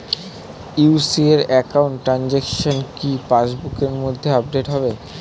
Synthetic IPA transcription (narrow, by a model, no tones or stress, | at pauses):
uusieɾɛkauɳʈːɾand͡ʑekʃonkipaʃbukeɾmod̪ʱːeap̚ɖeʈɦɔbe